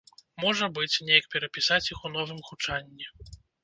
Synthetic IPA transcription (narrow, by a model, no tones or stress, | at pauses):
mɔʐɐbɨt͡sʲnʲejɐk̚pʲɛɾɐpʲisat͡sʲjixun̪ɔvɨmxut͡ʂanʲːɛ